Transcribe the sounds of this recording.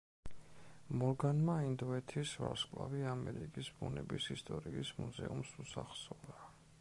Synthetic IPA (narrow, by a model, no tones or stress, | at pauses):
mɔlɡanmaind̪ɔɛt̪ʰisva̰ɾskʼlˠaviamɛɾikʼisbunɛbisist̪ʼɔɾiːsmuzɛumsusaχsɔda